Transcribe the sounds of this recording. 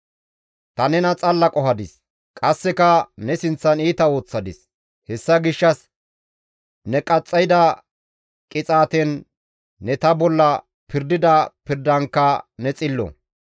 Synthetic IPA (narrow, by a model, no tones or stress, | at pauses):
t̪ɐnɛnɐt͡sʼɐlːɐkʼɔhɐd̪ɪs | kʼɐsːɛkɐnɛsɪnt͡sːɐniːt̪ɐo̞ːt͡sːɐd̪ɪs | hɛsːɐɡɪʃːɐs | nɛkʼɐt͡sʼːɐjd̪ɐ | kʼɪt͡sʼaːt̪ɛnː | ɛt̪ɐbɔlːɐ | pɪɾd̪ɪd̪ɐpɪɾd̪ɐŋkːɐnɛt͡sʼɪlːɔ̰